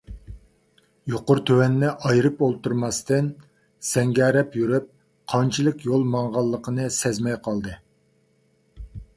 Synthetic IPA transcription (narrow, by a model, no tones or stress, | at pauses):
joqʊɾt̪ʰøwɛnːɪʔɑjɾɨpolˠt̪uɾmɑst̪ɨn | sɛŋɡʲɛɾɛpjyɾyp̚ | qʰɑnt͡ʃʰilˠəkʲjolˠmɑŋʁɑlˠːəqʰənɨsɛzmɛjqʰɑlˠd̪ɨ